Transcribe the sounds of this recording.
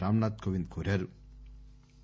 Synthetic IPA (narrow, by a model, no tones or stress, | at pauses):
aːmnaːt̪̚kʰoʋind̪kʰoɾɐɾ